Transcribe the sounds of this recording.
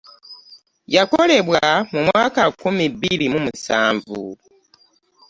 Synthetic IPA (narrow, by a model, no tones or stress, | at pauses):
jako̞le̞βwamumwaːkakumiβilimumusaːɱvṵ